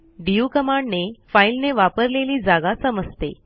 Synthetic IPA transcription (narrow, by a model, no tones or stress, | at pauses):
ɖiukəmaɳɖnefailneʋapəɾleliːd͡zaɡasəməd͡zt̪ḛ